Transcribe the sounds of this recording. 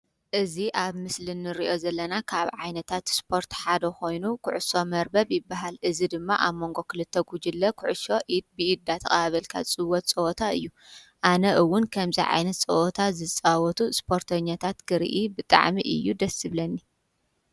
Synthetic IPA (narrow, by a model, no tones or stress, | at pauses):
ʔɨziʔaβmɨslɨnːɨɾiʔo̞zɐlːɐnakʰaβʕajnɐt̪ʰat̪spʰo̞ɾt̪ħad̪ɐko̞jnukʰʊʕʊso̞mɐɾbɐβjɪbːaɦalʔɨzid̪ɨmːaʔaβmːo̞ŋɡo̞kʰɨlɨt̪ʰːɐɡud͡ʒɪlːɐkʰʊʕʊʃo̞ʔid̪̚bɨʔid̪ːat̪ʰɐkʼɐβaβɐlkʰa̰t͡sʼɨwɔt̪̚t͡sʼɐʔot̪ʰaɨjːu | ʔanɐʔɨwːʊnkʰɐmziʕa̰jnɐt̪̚t͡sʼɐʔot̪ʰazɨt͡sʼawɔt̪ʰuspʰo̞ɾt̪ʰɐɲːat̪ʰat̪ɡɨɾ̰ʔibɨt̪ʼa̰ʕmḭʔɨ̰jːud̪ɐsɨβlɐnːi